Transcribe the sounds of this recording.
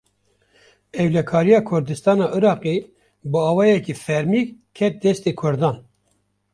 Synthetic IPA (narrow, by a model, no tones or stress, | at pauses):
ɛwlɛkʰɑːɾijɑːkʰʊɾd̪ɨst̪ɑːnɑːʔɨɾɑːqeː | bɨɑːwɑːjɛkiːfɛɾmiːkʰːɛt̪̚d̪ɛst̪eːkʰʊɾd̪ɑːn